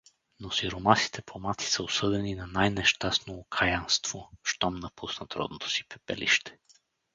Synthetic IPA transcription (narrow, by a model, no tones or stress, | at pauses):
nosiɾomaski̥t̪ɛpomat̪i̥səosɤd̪ɛninanajnɛʃt̪asnoːkʰajanst̪v̥oʃt̪ɔmnɐpusnɐt̪ɾɔ̰d̪not̪ʰo̥si̥pɛpɛ̰lḭʃt̪ɛ̥